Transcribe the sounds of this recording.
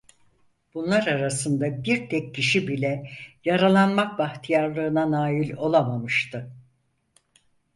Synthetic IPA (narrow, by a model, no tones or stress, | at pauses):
b̥unlˠaɾaɾasɯnd̪abiɾt̪ʰɛcːiʃibilʲɛjaɾalˠanmak̚baxt̪ʰijaɾlˠɯːnanaːjilʲo̞lˠamamɯʃt̪ʰɯ